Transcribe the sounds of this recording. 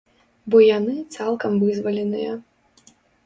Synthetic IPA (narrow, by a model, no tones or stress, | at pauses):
bɔjanɨt̪salˠkɐmvɨzvɐlʲɛnɨjɐ